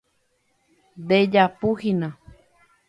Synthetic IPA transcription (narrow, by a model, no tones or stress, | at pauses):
d̪ed͡ʒapuhinã